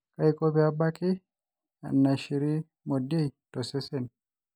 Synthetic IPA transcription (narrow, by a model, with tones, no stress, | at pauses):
ka˦jkɔ˦biaba˦ki˦ | a̰˨nːa˨ʃi˨ɾi˦ | mo˨de˦jtɔ˨sɛ˦sɛn